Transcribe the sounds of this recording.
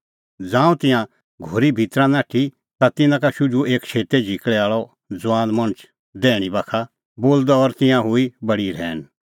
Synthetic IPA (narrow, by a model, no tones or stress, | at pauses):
d͡zãːũt̪ɪ̃jã | ɡʱoːɾibʱit̪ɾãnaːʈʰi | t̪at̪ɪnãkaʃʊd͡ʒueːkt͡ʃʰeːt̪ed͡ʒʱikɭɛaːɭɔ | d͡zʊãːnmɐ̃ñət͡ʃ | d̪ɛːɽ̃ibaːkʰa | boːld̪ɔɔːɾt̪ɪ̃jãɦʊibɐɽiɾɛ̰ːñ